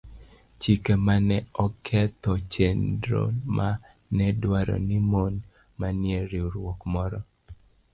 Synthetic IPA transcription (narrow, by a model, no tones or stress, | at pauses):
t͡ʃikemanɛɔkʰɛt̪ɔt͡ʃendɾo̰ma | nɛdwaɾɔ̰nɪmon | manjeɾiuɾwokmɔɾɔ